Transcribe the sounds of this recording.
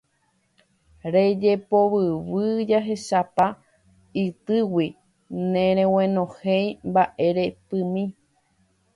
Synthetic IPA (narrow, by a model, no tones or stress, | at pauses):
ɾed͡ʒepo̞βɨwɨd͡ʒaɦe̞ʃapa | ɨt̪ɨwi | nẽɾ̃ẽw̃ẽnõhejmbaʔe̞ɾe̞pɨ̃mĩ